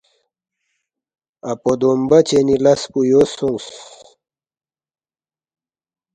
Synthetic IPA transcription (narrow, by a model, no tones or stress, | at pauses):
apod̪ombat͡ɕenilaspujosuŋs